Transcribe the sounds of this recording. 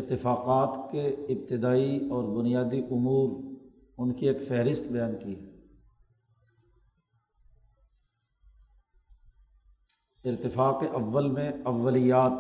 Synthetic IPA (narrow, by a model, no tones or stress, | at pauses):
ɪɾt̪ɪfaːqaːt̪keɪb̚t̪ɪd̪aːiɔːɾbʊnijaːd̪iʔʊmuːɾ | ʊnkieːkfɛɦɾɪst̪bɐjaːnkiː | ɪɾt̪ɪfaːqeʔɐʋːəlmẽɐʋːəlijaːt̪